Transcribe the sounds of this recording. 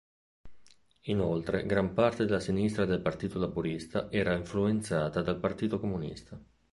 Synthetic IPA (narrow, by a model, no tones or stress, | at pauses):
inolt̪ɾeɡɾampart̪ed̪elːasinist̪ɾad̪elpart̪iːt̪olabuɾist̪aʔɛːɾaiɱfluent̪saːt̪ad̪alpart̪iːt̪okomunḭst̪a